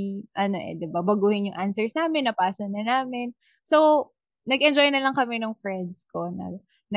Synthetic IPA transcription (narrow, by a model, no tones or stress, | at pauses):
ʔɐno̞ʔɛ̰d̪ɪbabɐɡuːhɪnjʊŋʔansɛɹsnaːmɪnːɐpaːsɐnɐnaːmɛn | sow | nɐɡʔɛnd͡ʒojnɐlɐŋkɐmɛnʊŋfɹɛnd̪̚skonɐ̰ | nɐ